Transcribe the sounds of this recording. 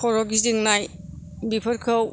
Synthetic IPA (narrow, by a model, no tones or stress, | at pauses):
ɔɾɔɡiziŋnajbipʰəɾkʰɯw